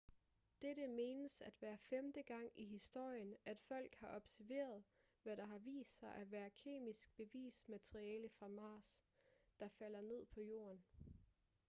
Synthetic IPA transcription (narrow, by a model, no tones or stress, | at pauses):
d̥eɾəme̝ːnəsæd̥ʋæːɐfemd̥əɡ̥ɑ̈ŋ̰iɦisd̥o̝ɐ̰jənæd̥fɒ̽l̰ɡ̥hɑ̈ʔɒ̽b̥sæɐʋe̝̰ːɐð̞̩ˠ | ʋæɾ̥ɑ̈ɦɑ̈ʋḭːsd̥sɑ̈ɪʔæʋæːɐkʰe̝̰ːmisɡ̥̚b̥e̝ʋḭːsmæt͡sʰʁiɛːləfʁɑ̈mɑ̈ːsd̥ɑ̈fæl̰ɐne̝ð̞̰ˠpʰɒ̽jo̝̰ːɐn